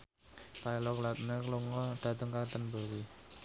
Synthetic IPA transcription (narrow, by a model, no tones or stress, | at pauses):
pailɔkəlat̪̚nekluŋɔɖ̪̥ä̤d̪əŋkakt̪ənbə̤ɾi